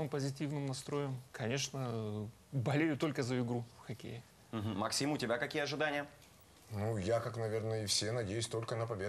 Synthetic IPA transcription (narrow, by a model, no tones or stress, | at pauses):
mɨmpəzʲɪtʲivnɨmnɐst̪ɾo̞jəmkʰɐnʲe̞ʂnə | bɐlʲejʊt̪o̞lʲkəzəɪɡɾufxɐkʲḛjɪ | m̩ɦ̩mɐksʲimʊtʲɪbʲakɐkʲijəɐʐɨd̪anʲɪjə | nujakaknɐvʲe̞rnəɪfsʲenɐdʲejʉsʲt̪o̞lʲkənəpɐbʲe